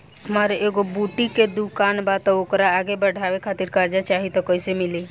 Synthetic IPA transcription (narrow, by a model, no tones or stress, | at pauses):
ɦəmaːɾeʔeːɡobuʈiked̪ukaːnbat̪ɔokɾaːɡebəɖʱaːʋekʰaːt̪iɾkəɾd͡ʒat͡ʃaːɦit̪ɔkɔɪsemɪli